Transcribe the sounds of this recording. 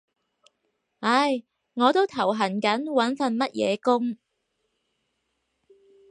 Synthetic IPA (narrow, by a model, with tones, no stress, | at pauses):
ʔɐ˧j | ŋɔː˨˧t̪o˥wt̪ʰɐ˨˩wɦɐ˨˩nkɐ˨˥nwɐ˨˥nfɐ˨˧nmɐ˥t̚jɛ̰ː˨˧kʊ˥ŋ